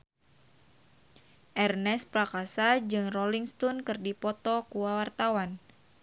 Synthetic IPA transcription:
ʔɛrnɛspɾakasad͡ʒɨŋroliŋst̪ɔnkɨrdipɔt̪ɔkuwawart̪awan

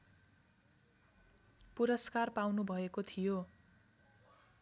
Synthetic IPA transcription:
puɾʌskarpawnubʱʌekot̪ʰijo

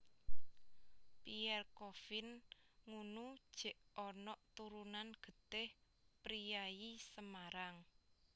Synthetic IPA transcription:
piɛrkofɪnŋunud̥ʒ̥ɛ̤ʔɔnɔʔt̪uɾunanɡ̥ə̤t̪ɪh | pɾijajisəmaɾaŋ

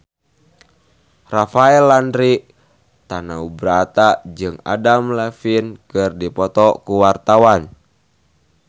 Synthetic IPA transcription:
rafaɛlːandɾi | t̪anaubɾat̪ad͡ʒɨŋa̰damlɛfinkɨrdipɔt̪ɔkuwart̪awan

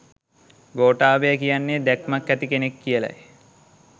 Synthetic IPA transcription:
ɡoːʈaːbejəkijanːed̪ækmakːæt̪ikenekːijəla̰j

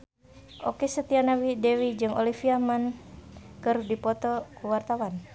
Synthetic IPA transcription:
ʔo̰kɛsət̪ianawidɛwid͡ʒɨŋʔo̰lifiaman | kəɾudipɔt̪ɔkuwart̪awan

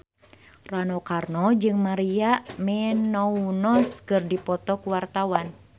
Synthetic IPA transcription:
ranɔkarnɔd͡ʒɨŋmaɾiamɛnɔunɔskɨrdipɔt̪ɔkuwart̪awan

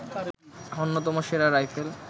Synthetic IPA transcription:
onːot̪ɔmoʃeɾaɾajfʰel

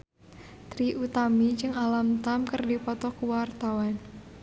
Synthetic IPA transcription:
t̪ɾiʔut̪amid͡ʒɨŋalamt̪amkərdipɔt̪ɔkuwart̪awan

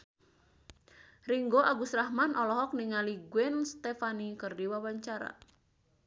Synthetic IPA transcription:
riŋɡoʔaɡusɾahmanʔɔlɔɦɔk̚niŋaliɡwɛnst̪efanikɨrdiwawaɲt͡ʃaɾa̰

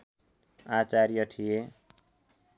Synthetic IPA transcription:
at͡saɾjʌʈʰije

